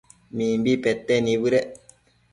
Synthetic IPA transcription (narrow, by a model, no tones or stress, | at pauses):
mimbipɛt̪ːɛnibɯɾɛ